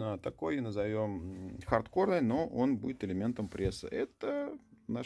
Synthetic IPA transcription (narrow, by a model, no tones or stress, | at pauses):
ət̪ɐkojnəzɐvʲomxɐrt̪ko̞rnəjnoʔonbudʲɪt̪ɪlʲɪmʲe̞nt̪əmpɾʲesːɨ̰ʔɛt̪əna